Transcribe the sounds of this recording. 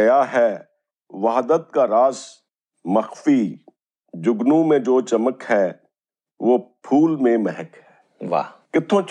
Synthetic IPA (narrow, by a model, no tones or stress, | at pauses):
jaɦɛː | ʋaːɦd̪ət̪̚kaɾaːz | məxfi | d͡ʒʊɡnũmẽd͡ʒoːt͡ʃəməkɦɛː | ʋoːpʰuːlmẽmɛɦɛkɦɛː | ʋa̰ːkɪt̪ʰõːt͡ʃ